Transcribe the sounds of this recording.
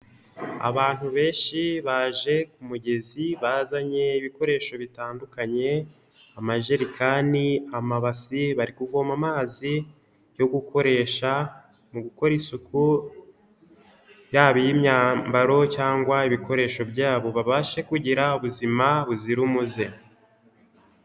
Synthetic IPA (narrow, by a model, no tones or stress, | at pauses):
a̰βaːn̥huβe̞ːnʃiβaːʒe̞kumuɟe̞ziβazaɲe̞iβiko̞ɾe̞ːʃo̞βitaːndukaɲe̞ | amaʒe̞ɾikaniamaβasiβaɾikuvo̞ːmamaːzi | jo̞ɡukʰo̞ɾe̞ːʃa | muɡuko̞ɾisukʰu | jaːβijimɲaːmbaɾo̞caːŋɡwaiβiko̞ɾe̞ːʃo̞bɟaːβo̞βaβaʃe̞kuɟiɾauβuzimaβuziɾumuze̞